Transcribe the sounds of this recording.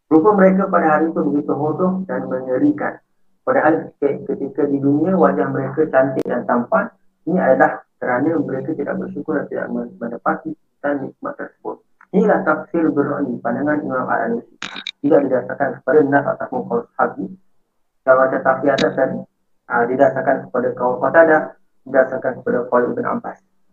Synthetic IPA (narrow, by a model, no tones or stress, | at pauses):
ɾupəməɾek̬əpadaɦaɾit̪ubəɡit̪uɦodɔhdanməŋəɾikan | padaɦankəkət̪ikədidunĩəwad͡ʒahməɾekət͡ʃant̪ɪʔjaŋt̪ampan | iniajalahkəɾanəməɾekat̪ida̰ʔ̚bərʃukʊrdant̪ida̰ʔəmənəpat̪i | kanmihik̚ma̰ʔt̪ːərsə̥bʊt̪̚ | inilaht̪afsɪlbərɔndipandaŋanḭmama̰la̰nusit̪idaʔdidasarkankə̥padanãsa̰t̪ahpʊnkawshabi | kalawad͡ʒat̪afiat̪akan | ʔədidasarkankə̥padakawakat̪adaʔ | didasarkankə̥padakaliʔbəna̰mpas